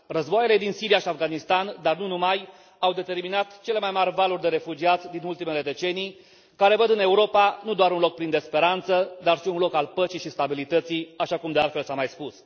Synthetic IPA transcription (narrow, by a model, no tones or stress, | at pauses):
rəzbojele̞d̪insiɾiaʃiavɡanist̪and̪arnunumaj | awd̪e̞t̪e̞rminat̪t͡ʃe̞le̞majmarʲvalurʲd̪e̞ɾe̞fud͡ʒiat̪sʲd̪inult̪ime̞le̞d̪e̞t͡ʃe̞nij | kaɾe̞vəd̪ɨne̞uɾo̞panud̪oaɾunlo̞k̚pɾind̪e̞spe̞ɾant̪səd̪arʃiunlo̞kalpət͡ʃiʃist̪abilit̪ət̪siaʃakumd̪e̞alt̪fe̞lsamajspus